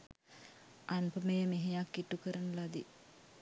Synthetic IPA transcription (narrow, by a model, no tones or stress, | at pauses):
anpəmejəmeɦejakːiʈukəɾənəlad̪i